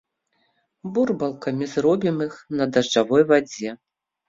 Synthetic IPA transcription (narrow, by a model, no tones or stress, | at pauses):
burbɐlˠkɐmʲizrɔbʲimixnɐd̪ɐʐd͡ʐavɔjvad͡zʲɛ